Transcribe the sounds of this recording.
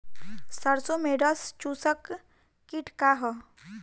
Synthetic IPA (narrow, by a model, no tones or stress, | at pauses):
səɾsomeɖəst͡ʃusəkː | iʈkaɦɔ